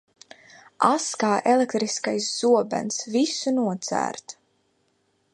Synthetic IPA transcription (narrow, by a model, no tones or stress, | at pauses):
askaːʔɛlekt̪ɾiskajsz̥uɔbɛ̰nsvisunuɔt̪sæ̰ːɾt̪